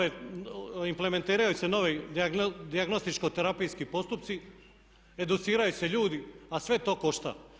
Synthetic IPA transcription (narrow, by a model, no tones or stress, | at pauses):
e | impleme̞nt̪iːɾajuse̞no̞ʋid̪iand̪iaɡno̞st̪it͡ʃkot̪eɾapijskipo̞st̪upt̪si | e̞d̪ut̪siːɾajuse̞ʎuːd̪iasʋe̞t̪o̞ːko̞ʃt̪a̰